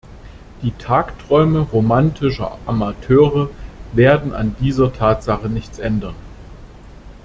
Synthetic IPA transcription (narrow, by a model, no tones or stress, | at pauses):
d̥iːtʰaːktʁ̥ɔʏməʁomantʰɪʃɐ̰ʔamatʰøːʁəveːɐdn̩ʔa̰ndiːzɐtʰaːtz̥aχənɪçt͡sʔɛndɐn